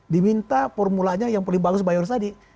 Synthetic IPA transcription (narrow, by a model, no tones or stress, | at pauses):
dimint̪afɔrmulaɲajaŋpəlɪŋbaɡʊs̬bajɔrt̪adi